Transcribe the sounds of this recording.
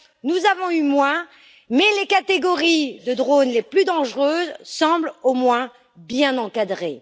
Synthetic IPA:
nuzavɔ̃ymwɛ̃ | mɛlekat̪eɡɔʁid̪əd̪ʁonleplyd̪ɑ̃ʒʁøzsɑ̃blomwɛ̃ | bjɛ̃nɑ̃kad̪ʁe

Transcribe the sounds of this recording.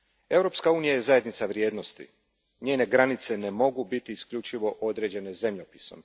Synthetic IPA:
e̞wɾo̞pskauːnijaje̞zaje̞d̪nit̪saʋɾje̞ːd̪no̞st̪ḭ | ɲeːne̞ɡɾanit̪se̞ne̞mo̞ɡubit̪iːskʎut͡ʃiʋo̞ʔo̞d̪ɾe̞d͡ʑe̞ne̞ze̞mʎopiso̞̰m

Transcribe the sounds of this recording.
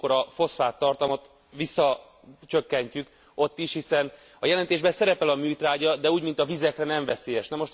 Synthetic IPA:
ko̞ɾɒfo̞sfaːt̪ːɒrt̪ɒmɒt̪ | visːɒ | t͡ʃø̞kːɛɲcyk | o̞t̪ːiʃhisɛn | ɒjɛlɛnt̪eːʒbɛsɛɾɛpɛlɒmyːt̪raːɟɒd̪ɛuːɟmint̪ɒvizɛkrɛnɛɱvɛseːjɛʃnɛmo̞ʃt̪

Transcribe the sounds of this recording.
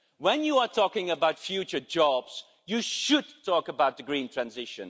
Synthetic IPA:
wə̃njəətʰɔkɪ̃ŋəbaʊtfjʉt͡ʃə˞d͡ʒɑbz̥ | jɨʃɨd̚tʰɔkəbaʊt̪̚ðəɡɹĩntʰɹ̥æ̃nzɪʃɨ̰̃n

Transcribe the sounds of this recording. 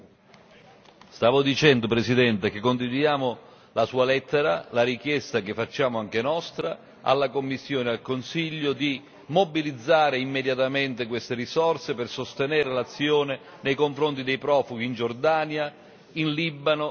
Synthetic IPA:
st̪aːvʊd̪it͡ʃɛnd̪ʊpɾesid̪ɛnt̪ek̟ekːont̪id̪ud̪jaːmʊ | lasuːalɛt̪ːeɾalaɾik̟jɛst̪akɪfːat͡ʃːaːmʊaŋk̟enɔst̪ɾa | a̰lːakomːisːjoːnealkonsiʎːʊd̪i | mobilid̪zːaːɾeimːed̪jat̪ament̪ɪkwest̪eɾisɔrsepersost̪enɛːɾelat̪sːjoːnɪ | nejkoɱfɾont̪id̪ejpɾɔːfuɡ̟iːnd͡ʒord̪aːnja | inlibano

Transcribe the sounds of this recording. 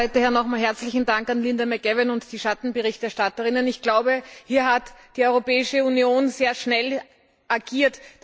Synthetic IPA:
ɪtɐhɛɐnɔχmaːlɦɛɐt͡slɪçn̩daŋkanlɪndɐmɛɡɛvɪnʊntd̥iːʃatn̩bəʁɪçtɛɐʃtatəʁɪnənɪçɡ̥laʊbəhiːɐɦatd̥iːɔʏʁopɛːɪʃəunjoːnzeːɐʃnɛl | ʔaɡ̥iːɐt

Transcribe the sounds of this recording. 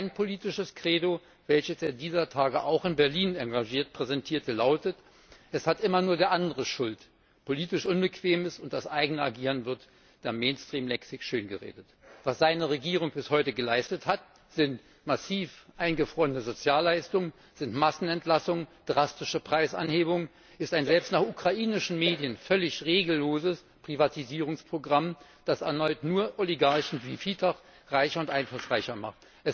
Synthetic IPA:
aɪnpʰoliːtɪʃəskʁ̥eːdo | vɛlçəseːɐdiːzɐtʰaːɡəʔaʊxɪnbɛɐliːnaŋɡaʒiːɐt̚pʁ̥ɛzɛntʰiːɐtəlaʊtət | ʔɛshatʔɪmɐnuːɐdeːɐʔandəʁəʃʊlt | pʰoliːtɪʃʔʊnbəkv̥eːməsʊnt̚d̥asʔaɪɡənəaɡiːʁənvɪɐt | d̥eːɐmeɪnstʁ̥iːmlɛksɪçʃøːnɡəʁḛːdət | v̥asz̥aɪnəʁeɡiːʁ̞ʊŋb̥ɪshɔʏtəɡəlaɪstəthat | z̥ɪnt | masiːfʔaɪnɡəfʁ̥ɔːʁənəzot͡sjaːlːaɪstʊŋən | z̥ɪntmasn̩ɛntlasʊŋəd̥ʁastɪʃəpʁ̥aɪsʔa̰nheːbʊŋə | ʔɪstaɪnzɛlpstnaːχʔukʁ̥aʔiːnɪʃn̩meːdjənfœlɪçʁeːɡl̩ːoːzəs | pʁ̥ivatʰiziːʁʊŋspʁ̥oɡʁam | d̥asɛɐnɔʏtnuːɐʔoliɡaɐçn̩viːfiːtʰɐʁ | ʁaɪçɐʊntʔaɪnflʊsʁ̥aɪçɐma̰χt | ʔɛs

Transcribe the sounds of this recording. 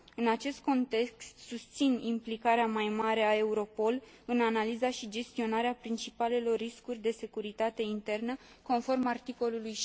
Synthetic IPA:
ɨnat͡ʃe̞st̪̚ko̞nt̪e̞kst̪sust̪sinimplikaɾeamajmaɾe̞ae̞uɾo̞po̞l | ɨnanalizaʃid͡ʒe̞st̪io̞naɾeapɾint͡ʃipale̞lo̞rːiskurʲd̪e̞se̞kuɾit̪at̪e̞int̪e̞rnə | ko̞nfo̞rmart̪iko̞luluj

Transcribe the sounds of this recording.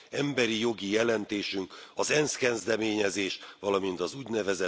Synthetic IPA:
ɛmbɛɾijo̞ɡijɛlɛnt̪eːʃyŋkɒzɛnskɛzd̪ɛmeːɲɛzeːʃʋɒlɒmint̪ɒzuːɟnɛvɛzɛ

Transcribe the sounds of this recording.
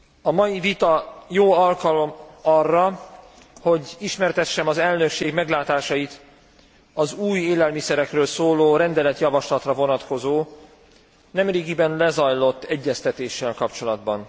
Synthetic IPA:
ɒmɒjivit̪ɒjoːɒlkɒlo̞mɒrːɒ | ho̞ɟiʃmɛrt̪ɛʃːɛmɒzɛlnø̞kʃeːɡmɛɡlaːt̪aːʃɒjit̪ | ɒzuːjeːlɛlmisɛɾɛkrøːlsoːloːɾɛnd̪ɛlɛt̪jɒvɒʃlɒt̪rɒvo̞nɒt̪ko̞zoː | nɛmreːɡibɛnlɛzɒjlo̞t̪ːɛɟːɛst̪ɛt̪eːʃːɛlkɒpt͡ʃo̞lɒd̪bɒn

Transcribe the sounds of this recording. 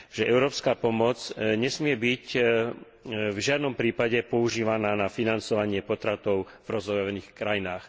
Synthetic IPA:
ʒ̥ɛʔɛʊɾɔːpskaːpɔmɔt͡sɲɛsmɪɛbic | vʒɪad̪nɔmpɾiːpaɟɛpɔuʒiːʋanaːnafinant͡sɔʋaɲɪɛpɔt̪ɾat̪ɔʊ | vɾɔzɔjɔʋɛniːxkɾajinaːx

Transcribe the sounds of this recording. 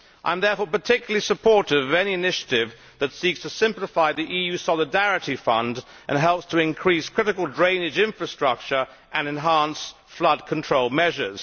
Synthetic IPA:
ʔã̰ɪ̃mðɛɹfɔɹpə˞tʰɪkjl̩lˠisəpʰɔɹɾɨvʌvɛñiɨnɪʃɨ̥ɾɪv | ðɨtsikstʰəsɪ̃mpləfaɪðiʔijʉsɑlˠɨdæɹɨɾifʌ̃nd | ʔɨ̰̃nɦɛlˠpstʰəɨ̃nkʰɹ̥iskʰɹ̥ɪɾɨkl̩ˠdɹẽɪ̃nɨd͡ʒɪ̃ɱfɹɨstɹ̥ʌk̚t͡ʃə˞ | ʔɨ̃nɨ̃nɦæ̃ns | flʌd̚kʰn̩tʰɹ̥oʊlˠmɛʒə˞z̥

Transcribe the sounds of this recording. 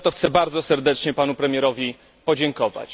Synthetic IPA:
t̪ɔxt̪sɛbaɾd̪zɔsɛɾd̪ɛt͡ʂɲɛpanupɾɛmʲjɛɾɔvʲi | pɔd͡ʑɛŋkɔva̰t͡ɕ

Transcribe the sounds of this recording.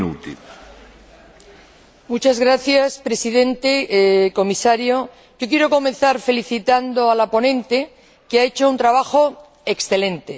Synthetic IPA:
ut̪ḭ | mut͡ʃazɣɾaθjaspɾe̞siðẽ̞nt̪eko̞misaɾjo̞ | ʝo̞kje̞ɾo̞ko̞mẽ̞nθaɾfe̞liθit̪and̪o̞alapo̞nẽ̞nt̪e̞ | keae̞t͡ʃount̪ɾaβ̞axo̞ | e̞ksθe̞lẽ̞nt̪e

